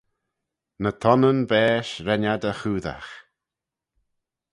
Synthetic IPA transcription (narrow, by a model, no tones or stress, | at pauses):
nət̪ʰɔnənbɛːʃɾɛnad̪əxuːða̰x